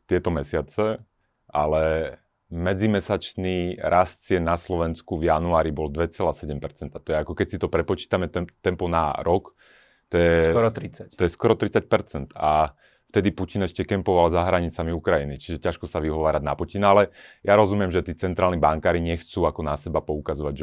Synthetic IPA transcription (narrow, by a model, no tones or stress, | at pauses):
t̪ɪɛt̪ɔmɛsɪat͡sɛ | ʔa̰lɛ | mɛd͡zimɛsat͡ʃniːɾʔast̪t͡sɪɛnaslɔʋɛnskuvjanuaːɾibɔld̪ʋɛt͡sɛlaːsɛɟɛmpɛɾt͡sɛnt̪at̪ɔjɛakɔkɛcsit̪ɔpɾɛpɔt͡ʃi̥ːt̪amɛt̪ɛt̪ɛmpɔna̰ɾɔk | t̪ɔjɛɔɾɔt̪ɾit͡sat̪ɔjɛskɔɾɔt̪ɾit͡sac̚pɛɾt͡sɛnt̪a | ft̪ɛd̪ipucinɛʃcɛkɛmpɔʋalzaɦɾaɲit͡samiukɾajinit͡ʃiʒɛcaʃkɔsaʋiɦɔʋaːɾaɟnapucinalɛjaɾɔzumɪjɛmʒɛt̪iːt͡sɛnt̪ɾaːlnibaŋkaːɾiɲɛxt͡suːakɔnasɛbapɔukazɔʋaɟʒɛ